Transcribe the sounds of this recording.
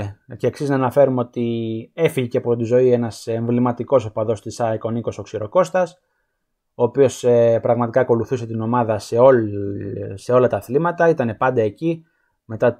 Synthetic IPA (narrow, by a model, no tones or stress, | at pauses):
ce̞ːksiznɐːnɐfe̞ɾumeo̞t̪iefiʝiceɐpo̞t̪izo̞ie̞nɐseɱvlimɐt̪iko̞sopɐðo̞st̪isɐiko̞niko̞so̞ksiɾo̞ko̞st̪ɐs | o̞ːpio̞sepɾɐɣmɐt̪ikɐːko̞luθuse̞t̪ino̞mɐðɐseo | se̞o̞lɐt̪ɐθlimɐt̪ɐit̪ɐne̞pɐnd̪ɐeci | me̞t̪ɐ